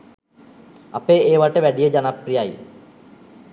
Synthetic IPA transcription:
apeːeːʋaʈəʋæɖijəd͡ʒanaprijaj

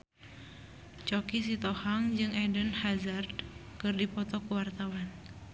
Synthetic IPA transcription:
t͡ʃɔkisit̪ɔhaŋd͡ʒɨŋɛdənhazardkɨrdipɔt̪ɔkuwart̪awan

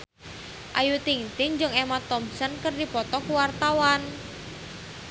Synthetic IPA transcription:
ʔajut̪iŋt̪ɪŋd͡ʒɨŋɛmat̪ɔmsɔnkərdipɔt̪ɔkuwart̪awan

